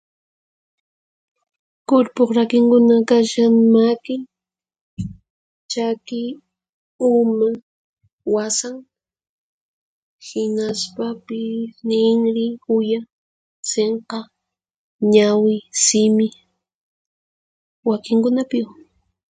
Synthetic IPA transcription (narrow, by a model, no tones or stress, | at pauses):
kʊɾpoχɾakɪŋkʊnakaʃaŋmakɪŋ | t͡ʃakɪ | ʊma | wasaŋ | hɪnaspapɪsnɪŋɾɪʊja | seɴqɑ | ɲawɪsɪmɪ | wakɪŋkʊnapɪw